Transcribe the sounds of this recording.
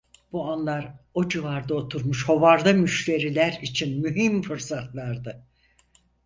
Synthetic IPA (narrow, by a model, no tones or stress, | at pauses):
b̥uanlˠaɾo̞d͡ʒɯvaɾd̪aot̪ʰuɾmuʃho̞vaɾd̪amyʃt̪e̞ɾilʲæɾit͡ʃʰinmyɦimfɯɾsat̪ʰlˠaɾd̪ɯ